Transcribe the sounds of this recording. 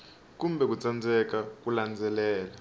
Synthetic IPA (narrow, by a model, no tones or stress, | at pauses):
k̬ʼumbʱɛk̬ut͡sʼand͡zʱɛk̬ak̬uland͡zʱɛlɛːla